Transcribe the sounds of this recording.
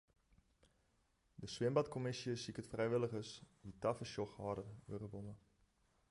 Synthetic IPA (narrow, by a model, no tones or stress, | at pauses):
dəswɪəmbɐtkomɪsiəsikətfrɛjʋɪləχəsditɐfəʃɔχɑːdəruərəbɔnə